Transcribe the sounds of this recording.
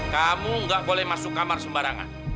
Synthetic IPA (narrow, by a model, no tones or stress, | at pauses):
kamuŋɡaʔbolɛhmasʊkːamarsəmbaɾaŋa̰n